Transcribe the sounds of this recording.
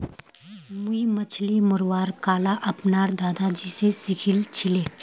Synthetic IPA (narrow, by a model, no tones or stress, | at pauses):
muimɐt͡ʃʰlimʊɾwaːɾkaːlaʔɐpnaːɾd̪aːd̪ad͡ʒisesɪkʰɪlt͡ʃʰɪleː